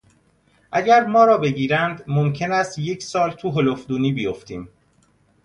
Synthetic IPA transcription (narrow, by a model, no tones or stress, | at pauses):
ʔæɟæɾmɒːɾɒːbe̞ɟiːɾænd̪momcʰe̞næst̪je̞cʰsɒːlt̪ʰuːɦolofd̪uːniːbijoft̪iːm